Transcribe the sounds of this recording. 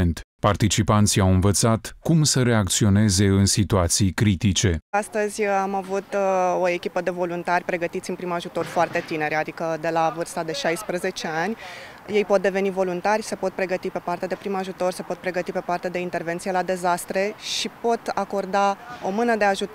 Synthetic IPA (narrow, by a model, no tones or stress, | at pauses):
nt̪ | part̪it͡ʃipant̪siawɨnvət̪sat̪kumsəɾe̞ak̚t̪sio̞ne̞ze̞ɨnsit̪uat̪sijkɾit̪it͡ʃe̞ast̪əzʲamavut̪o̞e̞kʲipəd̪e̞vo̞lunt̪arʲpɾe̞ɡət̪it̪sɨnpɾimaʒut̪o̞rfoart̪e̞t̪ine̞ɾʲad̪ikəd̪e̞lavɨrst̪ad̪e̞ʃajspɾəze̞t͡ʃe̞anʲ | je̞jpo̞t̪̚d̪e̞ve̞nivo̞lunt̪arʲse̞po̞t̪̚pɾe̞ɡət̪ipe̞part̪ead̪e̞pɾimaʒut̪o̞rse̞po̞t̪̚pɾe̞ɡət̪ipe̞part̪ead̪e̞int̪e̞rvent̪sijelad̪e̞zast̪ɾe̞ʃipo̞t̪ako̞rd̪ao̞mɨnəd̪e̞aʒut̪